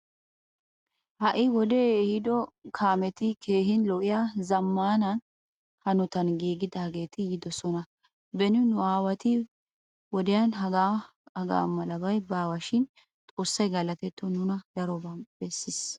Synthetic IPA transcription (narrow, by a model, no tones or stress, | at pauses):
hɐʔɪwɔd̪ɛhɪd̪ɔkʰaːmɛt̪ɪkʰe̞ːɦɪnlɔʔɪjaːzɐmːaːnɐn | hɐnɔt̪ɐnɡiːɡɪd̪aːɡe̞ːt̪ɪjɪd̪ɔsɔnɐ | bɛnʊnʊaːwɐt̪ɪ | wɔd̪ɛjanɦɐɡa | ɐɡa̰ːmɐlɐbɐjbaːwɐʃɪn | t̪ʼo̞ːsːɐjɡɐlɐt̪ɛt̪ːɔnʊnɐd̪ɐɾɔbɐb̥ɛsːɪs